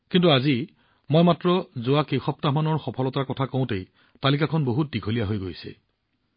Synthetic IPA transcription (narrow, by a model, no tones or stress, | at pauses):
kintuazi | mojmatɹɔzʊwakejxɔp̚tamanɔɹxɔpʰɔlɔtakɔtʰakoʊ̃tej | talik̬akʰɔnboɦut̚diɡʱolijaɦojɡojsɛ̰